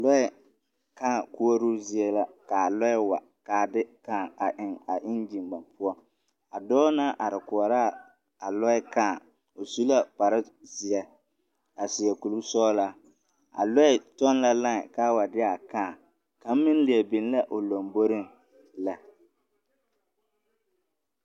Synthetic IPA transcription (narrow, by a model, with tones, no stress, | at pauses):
lɔ˦ɛ˦ | kaː˦˨ku˦o˦ɾu˦zɪ˦ɛ˦la˦ka˨lɔ˦ɛ˦wa˨ | kaː˨dɪ˦kaː˦˨a˨ʔɪ˨ŋa˨ʔɪ˦nd͡ʒi˨ŋɡ͡ba˨npʰʊ˦ɔ˦ | a˨dɔː˦na˦ʔa˨ɾɪ˨kʊ˨ɔ˨ɾaː˦˨ | a˨lɔ˦ɪ˦ka˦˨ | o˨su˦la˦k͡pa˨ɾɪ˦ | zɪ˨ɛ˨ | a˨si˨ɛ˨ku˨lu˦sɔː˦la˦ | a̰˨lɔ˦ɪ˨tɔ˦n˦la˦la˦ŋ˨ka˦wa˨dɪ˦a˨kaː˦˨ | ka˨˦m˦mɪ˦n˦lɪ˨ɛ˨bɪ˨n˦la˦ʔo˨lo˨mbo˦ɾɪ˦ŋ | la˨